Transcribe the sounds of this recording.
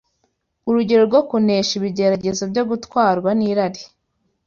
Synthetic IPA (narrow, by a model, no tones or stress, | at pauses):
uɾuɟe̞ɾo̞ɾɡo̞kuneːʃiβiɟe̞ɾaɟezobjo̞ɡutwaːɾɡwaniːɾaɾi